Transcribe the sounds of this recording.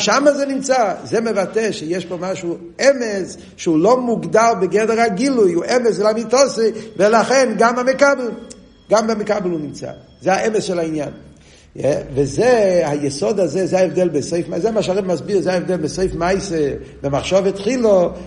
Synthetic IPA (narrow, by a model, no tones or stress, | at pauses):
ʃamazenimt͡sazɛmevat̪eʃejɛʃbomaʃu | ɛmez | ʃeulomuɡd̪albeɡɛdɛʁaɡilujuʔɛmeslamitɔsivelaχɛnɡamamekabl | ɡamamekablunimt͡sa̰ | zeaʔɛmesʃɛlainjan | vezehajɛsod̪azezeaevd̪ɛlbesoɪfmazeamaʃaʁɛmazbiʁzeaɛvd̪ɛlbesoɪfmajse | bemaχʃovet̪χilo